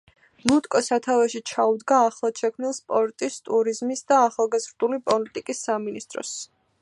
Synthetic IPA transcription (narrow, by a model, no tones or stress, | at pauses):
nut̪ʼkʼɔsat̪ʰavɛʃit͡ʃʰaud̪ɡaːχlˠad̪̥ʃɛkʰmnilˠspʼɔɾt̪ʼist̪ʼuɾizmisd̪aːχalˠɡazɾd̪ulipʼɔlit̪ʼikʼisːaminist̪ʼɾɔ̰s